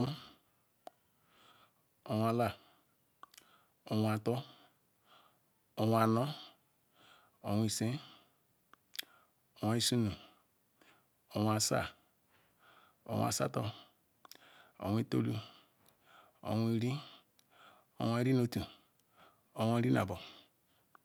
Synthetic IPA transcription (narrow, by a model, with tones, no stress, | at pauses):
o˨wʷa˨la˨ | o˨wa˨to˦ | o˨wa˨no˦ | o˨wi˨sẽ˦ | o˨wa˨˦i˦su˦nu˨ | o˨wa˨sa̰˦ | o̰˨wʷa̰˨sa̰˦to˦ | o̰˨wʷi˦to˦lu˦ | o̰˨wi˨ɾi˦ | o̰˨wʷa˨i˦ɾi˦no˦tu˨ | o̰˨wa˨˦ɾi˦na̰˨bo˨